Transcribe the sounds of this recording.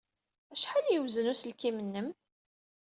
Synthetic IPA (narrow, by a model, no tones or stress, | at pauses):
æʃħaljəwzənuslkimənːəm